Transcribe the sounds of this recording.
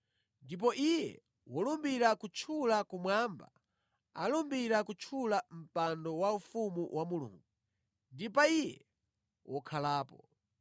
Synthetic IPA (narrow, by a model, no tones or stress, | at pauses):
ndip̬ɔʔijɛ̰ | wɔlumbiɾakut͡ʃʰulakumwaːmba̰ | a̰lɔmbiɾakut͡ʃʰulam̩pandɔwaufumuwʔamulṵːŋɡu | ndipaijɛ | wʔɔkʰalaːpɔ